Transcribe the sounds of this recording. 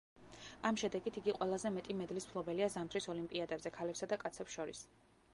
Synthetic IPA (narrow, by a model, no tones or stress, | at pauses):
amʃɛd̪ɛɡit̪ʰiɡiqʼwɛlˠazɛmɛt̪ʼimɛd̪lismpʰlˠɔbɛliazamt̪ʰɾisɔlimpʼiad̪ɛbzɛkʰalɛpsad̪akʼat̪sʰɛpsʃɔɾḭs